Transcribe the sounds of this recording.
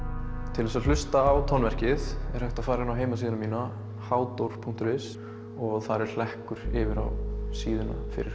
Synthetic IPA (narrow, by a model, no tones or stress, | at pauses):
t̪ʰɪlðɛsaðl̥ʏst̪aːwt̪ʰɔnvɛr̥cɪðɛɾ̥hœht̪aðfaːɾɪnawɦeːjmasiːðɪnamiːna | haːwt̪owɾ̥pʰuŋ̥t̪ʏɾɪs | ɔɣθaɾɛɾ̥l̥ɛhkʏɾ̥ɪvɪɾa̰wsiːðɪnafɪ̰ɾɪ̰ɾ